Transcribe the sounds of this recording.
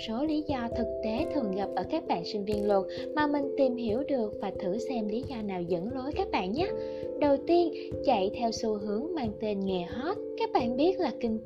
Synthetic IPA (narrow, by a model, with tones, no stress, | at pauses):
so˨˦li˨˦zɔ˧t̪ʰɨ˨˩k̚t̪e˨˦t̪ʰɨ˨˩əŋɣa˨˩p̚ʔəː˧˩kaː˦˥k̚ɓa̰ː˧˨nsï˧ŋ̟vi˧ənlə˨˩t̚ | maː˨˩mï˨˩ŋ̟t̪i˨˩mɦi˧˩əwɗɨ˨˩ək̚vaː˨˩t̪ʰɨ̰˧˩sɛ˧mli˨˦zɔ˧naː˨˩wzə̰˧˥nlo˨˦jkaː˦˥k̚ɓa̰ː˧˨nɲa˨˦˥ | ɗə˨˩wt̪i˧ən | t͡ɕa̰˧˨jt̪ʰɛ˧wsu˧ɦɨ˨˦əŋmaː˧ŋt̪e˧nŋɛ˨˩hɔ˦˥t̚kaː˦˥k̚ɓa̰ː˧˨nɓi˦˥ət̚laː˨˩kï˧ŋ̟